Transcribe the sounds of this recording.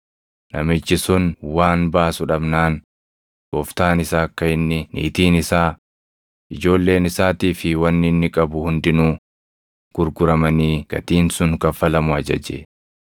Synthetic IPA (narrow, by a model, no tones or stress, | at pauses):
nɐmɪt͡ʃːɪsʊnwaːnbaːsʊᶑɐbnaːn | bɔft̪aːnɪsaːkːɐɪnːɪnʔḭːt̪iːnɪsaː | ʔɪd͡ʒo̞ːlːe̞ːnɪsaːt̪iːfɪwɐnːɪnːɪkʼɐbʊhʊnd̪ɪnuː | ɡ̥ʊɾɡʊɾɐmɐniːɡ̥ɐ̰t̪iːnsʊŋkɐfːɐlɐmʊɐd͡ʒɐ̰d͡ʒḛ